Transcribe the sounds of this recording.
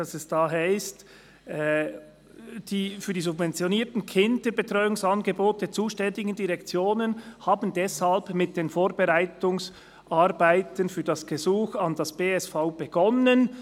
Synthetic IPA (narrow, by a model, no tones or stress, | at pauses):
d̥ɑsɛsd̥aːɦaɪst | d̥iːfyːd̥iːzʊbvɛnt͡sjoniːɐtn̩kʰɪndəbetʁ̥ɔʏʊŋsɑnɡəboːtət͡suːʃtɛndɪɡən̩diʁɛkt͡sjoːnənhaːbən̩dɛshalbmɪt̚d̥eːnfoːɾbeʁaɪtʊŋs | ʔaɾbaɪtənfyːɐdɑsɡ̥əzuːxɑndɑsb̥eːɛsfaʊb̥eɡ̥ɔnən